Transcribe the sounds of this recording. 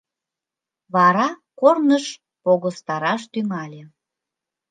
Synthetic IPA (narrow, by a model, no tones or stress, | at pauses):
βɑɾɑkornəʃ | poɣost̪ɑɾɑʃt̪yŋɑlʲe